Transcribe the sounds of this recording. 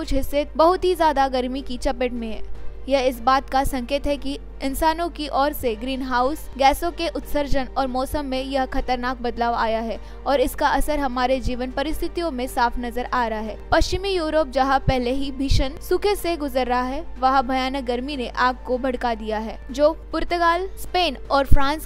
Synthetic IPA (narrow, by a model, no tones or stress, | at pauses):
ʊt͡ʃʰɦɪsːebɐɦʊt̪ɦizjaːd̪aɡɐɾmikit͡ʃɐpɪʈmẽɦɛjɐɦɪs̬baːt̪kasɐ̃ŋkeːt̪ɦɛki | ɪ̃nsaːnõkiʔɔːɾseɡɾiːnɦaːʊsɡɛːsõkeʔʊt̪səɾd͡ʒənɔːɾmɔːsəmːẽjɐɦkɐt̪əɾnaːk̚bɐd̪laːʋa̰ːjaɦɛː | ɔːɾɪskaʔɐsəɾɦɐmaːɾed͡ʒiːʋənpɐɾɪst̪ʰɪt̪ijõmẽsaːfnɐzəɾʔaːɾɐɦaɦɛːpɐʃt͡ʃɪmijuːɾoːp̚d͡ʒɐɦapɛɦleɦibʱiːʃənsʊkʰeseɡʊzəɾːɐɦaɦɛʋɐɦbʱɐjaːnək̚ɡɐɾminẽʔaːb̚kobʱɐɽkad̪ijaɦɛːd͡ʒoːpʊɾt̪əɡaːlspeːnɔːɾfɾãːns